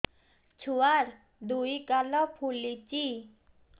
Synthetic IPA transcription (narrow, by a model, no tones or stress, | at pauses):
t͡ɕʰuwaɾ | d̪uikalɔpʰulit͡ɕi